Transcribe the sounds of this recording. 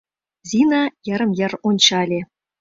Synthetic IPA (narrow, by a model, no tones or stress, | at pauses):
zʲinɑjɤ̆ɾɤ̆mjɤ̆runʲt͡ɕɑlʲe